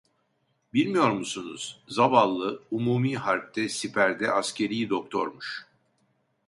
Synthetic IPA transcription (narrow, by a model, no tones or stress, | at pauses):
bilʲmijo̞ɾmusunṵz̥zabalˠːɯumuːmiːɦaɾp̚t̪ʰɛsipʰæɾd̪ɛ̰ʔascʰe̞ɾijid̪o̞k̚t̪ʰo̞ɾmuʃ